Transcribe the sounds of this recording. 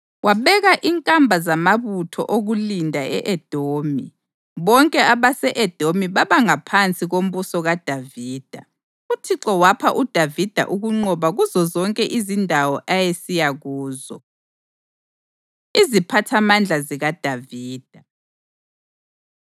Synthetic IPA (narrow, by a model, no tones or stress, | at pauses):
wʔaβɛɣaʔiŋkʼambʱazamaβutʰɔ̰ʔoɣulindʱaɛʔɛd̥ʱoːmi | βɔŋkʼɛaβasɛʔɛd̥ʱomiβaβaŋapʰant͡sʼiɣom̩βusɔɣad̥ʱaviːd̥ʱa̰ | utʰiǀɔwapʰaʔud̥ʱavid̥ʱa̰ʔuɣuŋ͡ǀɔβaɣuzɔzɔŋkʼɛʔizindʱawɔʔajesijaɣuːzɔ | izipʰatʰamand͡ɮʱaziɣad̥ʱaviːd̥ʱa